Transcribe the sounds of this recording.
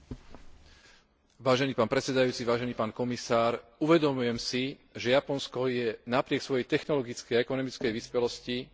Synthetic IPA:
ʋaːʒɛniːpaːnpɾɛt͡sɛd̪ajuːt͡siʋaːʒɛniːpaːnkɔmisaːɾuʋɛd̪ɔmujɛmsiʒɛjapɔnskɔjɛnapɾɪɛksʋɔjɛjt̪ɛxnɔlɔɡit͡skɛjaɛkɔnɔmit͡skɛjʋiːspɛlɔsci

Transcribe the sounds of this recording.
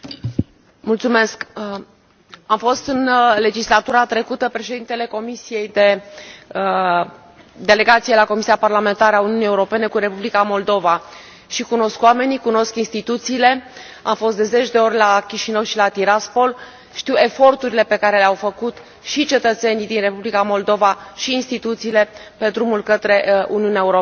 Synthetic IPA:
mult̪sume̞sk | amfo̞st̪ɨnle̞d͡ʒislat̪uɾat̪ɾe̞kut̪əpɾe̞ʃe̞d̪int̪e̞le̞ko̞misije̞jd̪e̞ | d̪e̞le̞ɡat̪sijelako̞misiaparlame̞nt̪aɾeauniunie̞uɾo̞pe̞ne̞kuɾe̞publikamo̞ld̪o̞va | ʃikuno̞skwame̞nikuno̞skinst̪it̪ut̪siːle̞ | a̰mfo̞st̪d̪e̞ze̞t͡ʃd̪e̞o̞ɾʲlakʲiʃinəwʃilat̪iɾaspo̞l | ʃt̪iwe̞fo̞rt̪uɾile̞pe̞kaɾe̞leawfəkut̪ | ʃit͡ʃe̞t̪ət̪se̞nid̪inre̞publikamo̞ld̪o̞vaʃiːnst̪it̪ut̪siːle̞pe̞d̪ɾumulkət̪ɾe̞uniuneaeuɾo

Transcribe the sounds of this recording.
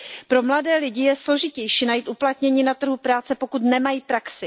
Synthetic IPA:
pɾo̞mladɛːlɪɟɪjɛslo̞ʒɪcɛjʃiːnajiːt̪ʔuplat̪ɲɛɲiːnat̪r̩ɦupɾaːt͡sɛpo̞kut̪nɛmajiːpɾaksɪ

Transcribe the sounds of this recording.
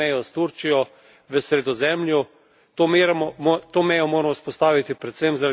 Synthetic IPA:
ɛjɔst̪uɾt͡ʃijɔ | ʋəsɾɛd̪ɔzɛmlʲju | t̪omeɾɛmɔt̪oːmɛjɔmoːɾɛmɔspɔst̪aːʋit̪ipɾɛt̪semzaɾa

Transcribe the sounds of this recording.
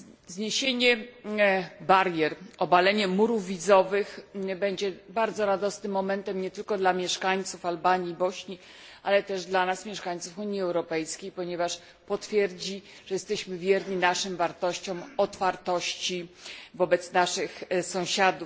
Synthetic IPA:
zɲeɕeɲɛ | baɾjɛɾɔbalɛɲɛmuɾuvːʲid̪zɔvɘxbɛɲd͡ʑɛbaɾd̪zɔɾad̪ɔsnɘmːɔmɛnt̪ɛmɲɛt̪ɘlkɔd̪lamʲjɛʂkaɲt̪sufalbaɲiːbɔɕɲi | ʔa̰lɛt̪ɛʐd̪lanasmʲjɛʂkaɲt̪sufuɲiɛwɾɔpɛjskʲejpɔɲɛvaʂ | pɔt̪fʲjɛɾd͡ʑi | ʐ̥ɛjɛst̪ɛɕmɘvʲjɛɾɲinaʂɘmvaɾt̪ɔɕt͡ɕɔ̃wɔt̪faɾt̪ɔɕt͡ɕivɔbɛt̪snaʂɘxsɔ̃w̃ɕad̪uf

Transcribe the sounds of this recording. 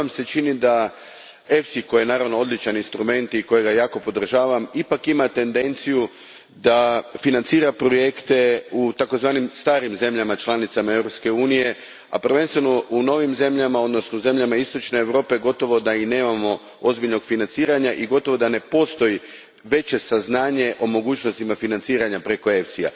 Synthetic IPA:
amse̞t͡ʃinid̪a | e̞fsiko̞jenaːɾaʋnoo̞d̪lit͡ʃaninst̪ɾume̞nt̪iko̞jeɡajaːko̞po̞d̪r̩ʒaːʋamipakimat̪e̞nd̪e̞nt̪siju | d̪afinant̪siːɾapɾo̞je̞kt̪e̞ut̪ako̞zʋaːnimst̪aːɾimze̞mʎamat͡ʃlˠanit̪samae̞vɾopske̞uːnije̞ | a̰pr̩ʋe̞nst̪ʋe̞no̞uno̞ʋimze̞mʎamao̞d̪no̞snoze̞mʎamaist̪o̞t͡ʃne̞ːʋɾo̞ːpe̞ɡo̞t̪o̞ʋo̞d̪aine̞ːmamo̞ | o̞zbiʎno̞ɡ̥finant̪siːɾaɲaʔiɡo̞t̪o̞ʋo̞d̪ane̞po̞st̪o̞ji | ʋe̞t͡ɕe̞saznaːɲe̞ʔo̞mo̞ɡuːt͡ɕno̞st̪imafinant̪siːɾaɲapɾe̞ko̞e̞ft̪sija̰

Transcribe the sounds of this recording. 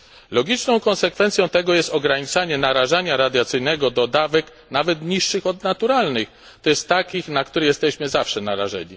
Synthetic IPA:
lɔɡʲit͡ʂnɔ̃w̃kɔ̃nsɛkfɛnt̪sʲjɔ̃w̃t̪ɛɡɔjɛst̪ɔɡɾaɲit͡saɲɛnaɾaʐaɲaɾad̪ʲjat̪sɘjnɛɡɔd̪ɔd̪avɛk | navɛt̪ɲiʂːɘxɔd̪nat̪uɾalnɘx | t̪ɔjɛst̪ːakʲixnakt̪uɾɛjɛst̪ɛɕmɘzafʂɛnaɾa̰ʐɛ̰ɲi

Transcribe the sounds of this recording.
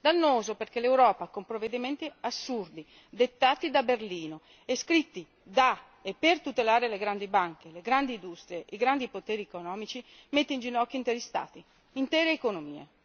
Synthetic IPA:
d̪anːoːzoperk̟elewɾɔːpakompɾoved̪iment̪iasːurd̪i | d̪et̪ːaːt̪id̪aberliːno | eskɾit̪ːi | d̪a | epːert̪ut̪elaːɾeleɡɾand̪ibaŋk̟eleɡɾand̪iːnd̪ust̪ɾijeʔiɡɾand̪ipot̪eːɾiekonɔːmit͡ʃi | met̪ːind͡ʒinɔkːiːnt̪eɾist̪a̰ːt̪i | int̪ɛːɾeːkonomḭːḛ

